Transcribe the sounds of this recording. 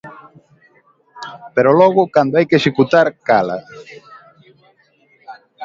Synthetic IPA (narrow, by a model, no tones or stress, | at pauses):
peɾolɔɣʊkand̪oajkeʃekut̪aɾkala̰